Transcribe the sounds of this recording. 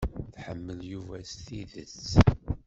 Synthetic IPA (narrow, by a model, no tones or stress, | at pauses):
θħə̰mːəljuvæst̪iðə̰t͡sː